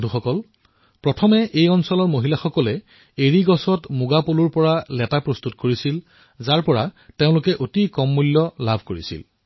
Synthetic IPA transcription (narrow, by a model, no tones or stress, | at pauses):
duxɔkɔl | pɹɔtʰɔmɛʔejɔnsɔlɔɹmoɦilaxɔkɔlɛ | eɹiɡɔsɔtmʊɡapoluɹpɔɹalɛtapɹɔst̪utkoɹisil | zaɹpɔɹateʊ̃lʊkɛʔotikɔmːulːɔlabʱkoɹḭsḭl